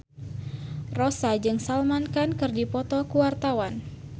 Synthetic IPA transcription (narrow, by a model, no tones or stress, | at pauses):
rosad͡ʒɨŋsalmankankɨrdipɔt̪ɔkuwart̪awan